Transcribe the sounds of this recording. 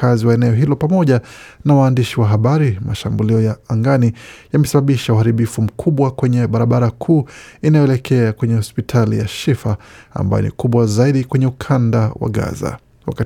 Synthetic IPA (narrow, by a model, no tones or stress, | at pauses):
aziwaɛnɛɔɦilɔpamɔʄanawaːndiʃiwaɦaɓaɾimaʃambuliɔjaaŋɡanijamɛsaɓaɓiʃauhaɾiɓifum̩kʰuɓwakwɛɲɛɓaɾaɓaɾakʰuːinajɔɛlɛkʰɛakwɛɲɛhɔspitʰalḭja̰ʃifaa̰mba̰jɔ̰nḭkuɓwazaiɗikwɛɲɛukʰandawa̰ɠa̰za̰ | wa̰ka